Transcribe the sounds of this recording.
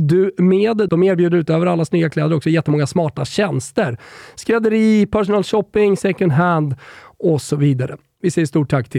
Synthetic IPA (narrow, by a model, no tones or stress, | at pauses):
d̪ɵmeːd̪d̪ɔmeːɾbjʉːd̪əɾʉ̟ːt̪øːvəɾalːasnyːɡaklɛːd̪əɾɔksɔjɛt̪ːəmɔŋːasmɑːʈaɕɛnst̪əɾskɾɛd̪əɾiːpʰæʂʊnɑːlɕɔpːɪŋsɛkɵnd̪ɦænd̪ɔsɔviːd̪aɾə̰ | vɪsɛjːəʂt̪uːʈʰːakːt̪ʰɪ